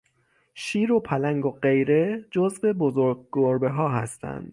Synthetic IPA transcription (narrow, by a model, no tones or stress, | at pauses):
ʃiːɾo̞pʰælæŋɡoɢe̞jɾe̞d͡ʒozve̞bozoɾɡ̚ɡoɾbe̞ɦɒːɦæ̰st̪ʰæ̰nd̪̥